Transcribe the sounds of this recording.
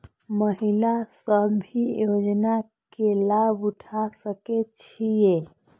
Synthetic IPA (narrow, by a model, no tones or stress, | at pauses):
məɦilasəbʱijod͡ʒna | kelabʊʈʰasəket͡ʃʰije